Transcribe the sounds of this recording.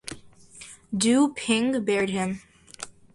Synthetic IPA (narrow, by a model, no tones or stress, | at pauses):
dʉpʰɪ̃ŋbɛɹd̚ɪ̃m